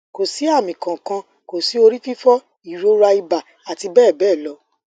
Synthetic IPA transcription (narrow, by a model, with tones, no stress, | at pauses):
ko˨si˨˦a˦˨mĩ˨kã˨kã˧ | ko˨si˨˦o˧ɾi˦fi˦fɔ˦ | i˦˨ɾo˧˦ɾa˧i˧ba˨ | a˨ti˧bɛː˦˨bɛː˦˨lɔ˨˦